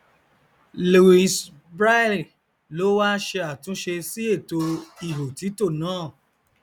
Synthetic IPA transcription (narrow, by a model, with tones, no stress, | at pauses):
lu˨i˨s | bɾa˦˨li˨ | lo˨˦wa˦ʃe˧a˨tũ˨˦ʃe˧si˦e˦˨to˧i˦˨ɦo˨ti˨˦to˦˨nãː˦˨